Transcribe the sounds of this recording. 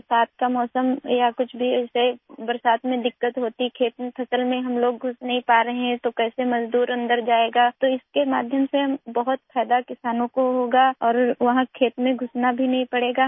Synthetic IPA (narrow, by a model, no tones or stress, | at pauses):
bɾsaːt̪̚kamɔːsəmjakʊt͡ʃʰbʱiɛːsebɐɾsaːt̪mẽd̪ɪkːət̪ɦoːt̪ikʰeːt̪mẽpʰɐsəlmẽɦɐmloːɡ̚ɡʱʊsnɐɦĩpaːɾɐɦeɦɛ̃t̪okɛːsemɐzd̪uːɾɐ̃nd̪əɾd͡ʒaːeːɡaːt̪oɪskema̰ːd̪ʱjəmseɦɐmbɐɦʊt̪fʰɛːd̪akɪsaːnõkoɦoːɡaːɔːɾʋɐɦãkʰeːt̪mẽɡʱʊsnabʱinɐɦĩpɐɽeːɡaː